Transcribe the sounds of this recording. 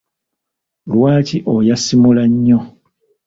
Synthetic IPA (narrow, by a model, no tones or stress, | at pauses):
lwaːciʔojasimulaɲːo